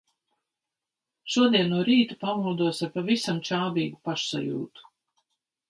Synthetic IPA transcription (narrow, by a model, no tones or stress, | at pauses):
ʃuɔd̪iɛnːuɔɾiːt̪u̥pamulˠd̪uɔsaɾpavisamt͡ʃaːbiːɡupaʃsa̰jṵːt̪u̥